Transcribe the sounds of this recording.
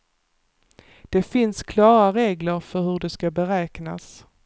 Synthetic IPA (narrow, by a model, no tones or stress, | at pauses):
d̪̥ɛfɪnskʰlɑːɾaɾeːɡləɾfœɾhɵɖɛskabɛɾɛːkna̰s